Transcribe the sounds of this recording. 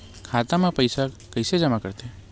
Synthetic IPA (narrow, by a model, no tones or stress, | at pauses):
kʰaːt̪ãmãpəjsa | kəjsed͡ʒəmakəɾt̪e